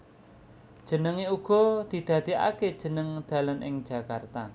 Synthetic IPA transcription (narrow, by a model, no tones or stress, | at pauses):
d̥ʒ̥ənəŋeuɡ̥ɔ̤d̪̥i̤d̪̥ä̤d̪̥ia̰ke̥ʒ̥ənəŋd̪̥a̤lənʔɪ̰ŋ̥d͡ʒ̥a̤kart̪a